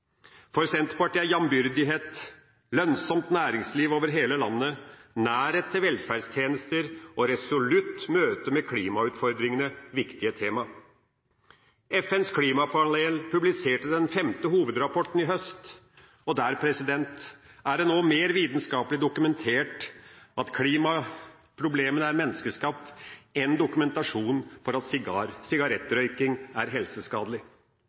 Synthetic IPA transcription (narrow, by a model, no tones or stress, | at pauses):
fɔɾsɛnt̪pɑʈiːjɑmbʏɾd̪ɪɦeːt̪ | lœnsɔmt̪næːɾɪŋsliːʋoːʋəɾɦeːləlɑ̰nːənæːɾet̪ʰːɪlʋɛlfæɖst̪ʰjeːnəst̪əɾɔɾɛsʊlʉt̪møːt̪əmɛkʰlḭːmɑʉːt̪fɔɾd̪ɾɪŋənəʋɪkt̪ɪət̪ʰeːmɑ | ɛfɛnskʰliːmɑpʰɑleːlpʰʉblɪseːʈəd̪ɛnfɛmt̪əhuːʋəd̪ɾɑpʰɔʈːn̩ɪɦœst̪ | ɔd̪æːɾpʰɾɛsɪd̪ɛnt̪æɖɛnoːmeːɾʋiːt̪n̩skɑːpəlɪd̪ʊkʉmɛnt̪ʰeːʈʔɑt̪kʰliːmɑ | pʰɾʊbleːmənəæɾmɛnːəskəʂkɑːpɛnd̪ʊkʉmɛnt̪ɑʂuːnfɔɾɑt̪sɪɡɑɾsɪɡɑɾɛt̪ːɾœʏkɪŋæɾɦɛlsəskɑːd̪əlɪ